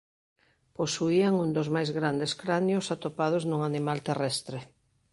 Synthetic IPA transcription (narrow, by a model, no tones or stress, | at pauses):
posuiaŋund̪ozmajzɣɾand̪eskɾanjʊsat̪opað̞ʊznuŋanimalt̪erɛst̪ɾe